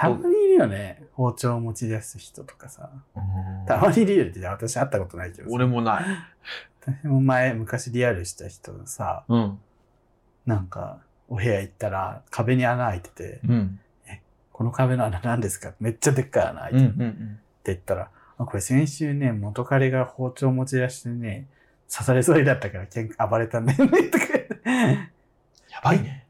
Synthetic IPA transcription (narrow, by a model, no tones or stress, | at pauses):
t̪amaɲ̟iːɾɯ̟jo̞ne̞ho̞ːt͡ɕo̞ːmo̞t͡ɕid̪asɨçi̥t̪o̞t̪o̥kḁsa̰ | t̪amaɲ̟iːɾɯjoɾit̪ːeaβat̪aɕiat̪ːako̞t̪o̞naikeooɾemonaiβat̪aɕimo̞mae̞mɯ̟kaɕiɾʲiaɾɯ̟ɕi̥t̪açi̥t̪o̞̰ɡasa̰ɯ̃ | nãŋka̰ | o̞ɦe̞ait̪ːaɾa̰kʰabe̞ɲ̟ianaːit̪e̥t̪e̞̰ | e | ko̞no̞kabe̞noananãnd̪e̞sɨ̥kat̪ːme̞t͡ɕːad̪e̞kːaa̰na̰ | t̪ːeit̪ːaɾa | ako̞ɾe̞sẽ̞ɰ̃ɕɨːne̞mo̞t̪o̞kaɾʲeɡaho̞ːt͡ɕo̞ːmo̞t͡ɕiɾaɕi̥t̪ene̞ | sasaɾe̞zoɾid̪at̪ːakaɾakẽŋkabaɾe̞t̪ãnd̪ejonet̪ːok̪e | jab̥aine